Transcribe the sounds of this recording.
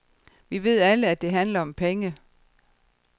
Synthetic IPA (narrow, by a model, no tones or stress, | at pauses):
ʋiʋe̝ð̞̰ˠæləæd̥e̝ɦænlɐɒ̽mpʰeŋə